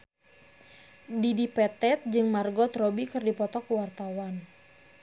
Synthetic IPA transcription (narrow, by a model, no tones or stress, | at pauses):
didipɛt̪ɛt̪̚d͡ʒɨŋmarɡɔt̪rɔbikɨrdipɔt̪ɔkuwart̪awan